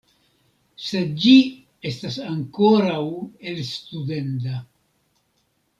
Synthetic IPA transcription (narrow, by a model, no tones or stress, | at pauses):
se̞d͡ʒi | e̞stasaŋko̞ɾawelstude̞nta